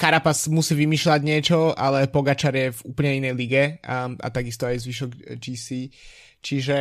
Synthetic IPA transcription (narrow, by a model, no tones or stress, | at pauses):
kaɾapasmusiːʋimiːʃlaɟɲɪɛt͡ʃɔʔalɛpɔɡat͡ʃaɾjɛvṵːpl̩ɲɛinɛjliɡɛa̰t̪aɡist̪ɔajzʋiʃɔɡd͡ʒiːsiː | t͡ʃiʒɛ